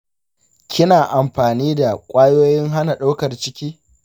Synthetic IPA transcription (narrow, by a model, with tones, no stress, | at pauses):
kʲɪ˦naː˨ʔa˨mɸaː˨niː˦da˨kʷʼaː˦joː˦jɪ˦ŋɦa˦na˨ɗa˦wkɐ˨rt͡ʃɪ˦kʲiː˦